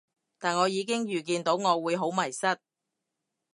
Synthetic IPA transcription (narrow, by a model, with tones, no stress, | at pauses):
t̪aː˨nŋɔː˨˧jiː˨˧k̬ɪ˥ŋjyː˨˩k̬iː˧nt̪o˨˥wŋɔː˨˧wuː˨˧jɦo˨˥wmɐ˨˩jsɐ˥t̚